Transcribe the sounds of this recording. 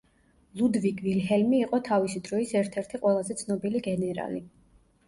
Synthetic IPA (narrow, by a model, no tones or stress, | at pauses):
lˠud̪vikʰvilɦɛlmiːqʼɔt̪ʰavisid̪ɾɔisɛɾt̪ʰɛɾt̪ʰiqʼwɛlˠazɛt̪sʰnɔbiliɡɛnɛɾa̰li